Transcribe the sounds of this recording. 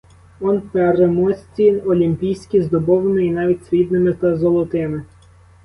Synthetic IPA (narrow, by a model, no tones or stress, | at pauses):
ɔnpɛɾemɔsʲt͡sʲinɔlʲimʲpʲijsʲkʲizd̪ɔbɔʋnɔinɑʋʲitʲsʲʋʲid̪̚nɪmɪt̪ɐzɔlˠɔt̪ɪmɪ